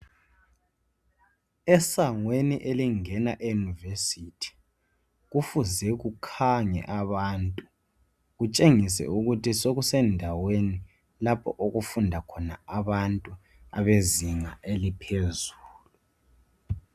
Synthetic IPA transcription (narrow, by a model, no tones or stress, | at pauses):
ɛsaŋweniʔeliŋɛnaʔejunivesitʰi̥ | ɣufuzɛɣukʰaŋɛ̰ʔaβantʼu | ɣut͡ʃʼeŋisɛ̰uɣutʰisoɣusɛndʱaweni | lapʰɔ̰ʔoɣufundʱakʰɔnaaβantʼu | a̰βeziŋaelipʰezuːlu